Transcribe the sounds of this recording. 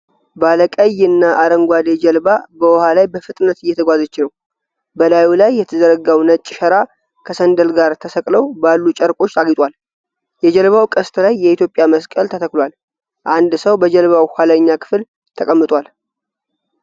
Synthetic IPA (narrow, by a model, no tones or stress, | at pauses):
baləkʼəjɨnːaʔaɾəŋɡʷad̪ed͡ʒɛlbabəwɔhalajbəfɨt̪ʼnət̪ɨjːɛt̪ʰəɡʷazət͡ʃːɪnəw | bəlajulajːɛt̪ʰəzəɾəɡawnət͡ʃʼːɪʃəɾa | kʰəsənd̪əlɡaɾt̪ʰəsəkʼləwbalːut͡ʃʼəɾkʼo̞t͡ʃːt̪ʰaɡit̪ʼwal | jɛd͡ʒəlβawkʼəst̪ʰlajːɛit̪jo̞pʼjaməskʼəlt̪ʰət̪ʰəkʼlwal | ʔand̪səwbəd͡ʒəlβawhʷaləɲːakʰɨ̥fɨl | t̪ʰəkʼəmːɨt̪ʼwal